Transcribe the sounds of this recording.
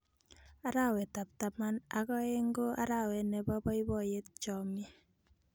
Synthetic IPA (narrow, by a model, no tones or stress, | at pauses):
aɾawɛtap̚tamanakɔeŋɡoʔa̰ɾawɛnɛbɔbɔibɔjet̚t͡ʃɔmi